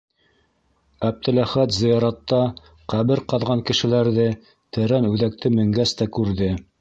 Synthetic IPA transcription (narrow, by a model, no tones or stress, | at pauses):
æb̚t̪ʰɘ̆læχæt̪zɤ̆jɑɾɑt̪ːɑ | qæβɘɾqɑðʁɑŋkɘ̆ʃɘ̆læɾðɘ | t̪ɘ̆ɾænʉðæk̚t̪ɘmɘ̆ŋɡæst̪ækʉɾðɘ